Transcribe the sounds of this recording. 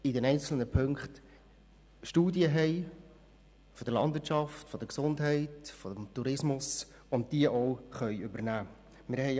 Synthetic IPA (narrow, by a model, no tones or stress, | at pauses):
ɪdɛnɛɪnt͡sl̩nəpʰɵŋkχt | ʃtuːdiəɦɛɪ | fɔd̥əɾlɑndvɪɾt͡ʃɑftfɔd̥̪əksʊndɦɛɪtfodəmtuɾɪsmʊs | ʊnt̚d̥iəʔɔʊχœʏʏbəɾnæː | mɪɾhɛɪ